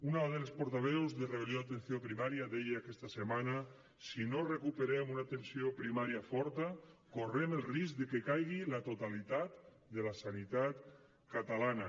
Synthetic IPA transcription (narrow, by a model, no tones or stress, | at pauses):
unaðelespoɾt̪aβɛwzðereβ̞eljoat̪ensjopɾimaɾjaðejeakɛst̪asemana | sinorekupeɾɛmunat̪ensiopɾimaɾjafɔɾt̪akoremelˠrisk̚d̪ekekajɣilat̪ot̪alit̪at̪ | d̪elasanit̪at̪ | kat̪alana